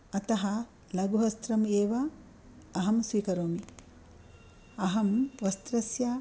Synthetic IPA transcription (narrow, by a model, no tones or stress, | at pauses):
ɐt̪ɐɦɐ | lɐɡuɦɐst̪ɾɐmeːʋɐː | ɦɐmsʋiːkɐɾoːmi | ɐɦɐmʋɐst̪ɾɐsja